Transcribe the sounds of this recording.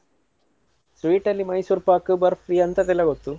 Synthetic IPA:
sʋiːʈɐlːimɐjsuːɾpaːkɨbɐɾpʰɾiːɐnt̪ɐt̪ɛlːɐɡot̪ːu

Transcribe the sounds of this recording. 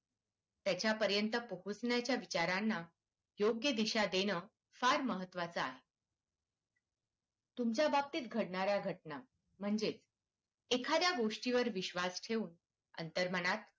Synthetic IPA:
t̪jat͡ɕjapəɾjənt̪əpəɦut͡snjat͡ɕjaʋit͡ɕaɾanːa | joɡjəd̪iɕad̪eñə | faɾməɦət̪ːʋat͡səaɦe | t̪umt͡ɕjabab̚t̪iːt̪ɡʱəɽɳaɾjaɡʱəʈna | m̤əɳd͡zet͡s | ekʰad̪jaɡoʂʈiʋəɾʋiɕʋasʈʰeuːn | ə̰nt̪əɾməɽ̃at̪̚

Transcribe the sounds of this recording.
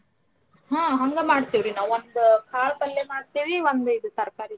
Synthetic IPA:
hãːɦɐŋɡemaːɽt̪iːʋɾinaːʋond̪ukʰaːɭk̪ɐlːemaːɖt̪iːʋiond̪uid̪ut̪ɐɾɐkaːɾi

